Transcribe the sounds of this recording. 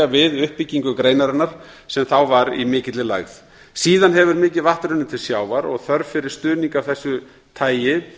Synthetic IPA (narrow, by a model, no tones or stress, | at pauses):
avɪðʏhpːicːiŋkʏkɾejnaɾanːaɾ̥ | sɛmθawvaɾḭmɪːcɪt̪lɪla̰ɣð | siːðanɦɛvʏɾmɪːcɪðvaht̪ɾʏnːɪt̪ʰɪlsjaːwvaɾɔ̰ɣθœɾfɪɾɪɾ̥st̪ʏːniŋkawvθɛsːʏ | t̪ʰaːjjɪ